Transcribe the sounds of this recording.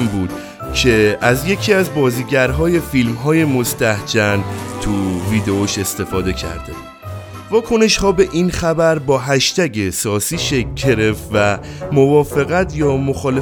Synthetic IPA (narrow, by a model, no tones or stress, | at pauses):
mbuːd̪̥ | cʰe̞æzje̞cʰiːæzbɒːziːɟæɾɦɒːje̞filmɦɒːje̞mo̞st̪æhd͡ʒænt̪ʰuviːd̪eoʃest̪e̞fɒːd̪e̞cʰæ̰ɾd̪̥e | vɒːkʰo̞ne̞ʃhɒːbe̞ʔinxæbæɾbɒːɦæʃt̪æɟe̞sɒːsiːʃekɟe̞ɾe̞ft̪væ | movɒːfe̞ɣæt̪ʰjɒːmo̞xɒːle